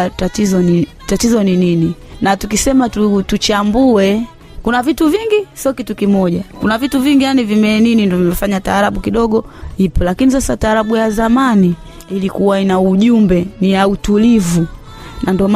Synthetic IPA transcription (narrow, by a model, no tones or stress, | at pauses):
tatizɔni | tatizɔninininatukisɛmatutut͡ʃambuɛ | kunavituviŋɡisiɔkitukimɔʄakunavituviŋɡijanivimɛninindɔvimɛfaɲataːɾaɓukiɗɔɠɔhipɔlakinisasataːɾaɓujazamani | ilikuwainauʄumbɛnijautulivu | nʔandɔɔm